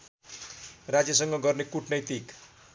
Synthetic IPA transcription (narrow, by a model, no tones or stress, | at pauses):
rad͡zjʌs̬ʌŋɡʌɡʌrnekuʈnʌjt̪ik